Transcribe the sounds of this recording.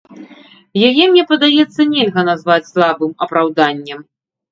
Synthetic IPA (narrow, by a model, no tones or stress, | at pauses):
jajɛmnʲɛpɐd̪ajɛt̪sːɐnʲɛlʲɣɐnazvat͡sʲslˠabɨmɐpɾawd̪anʲːɛm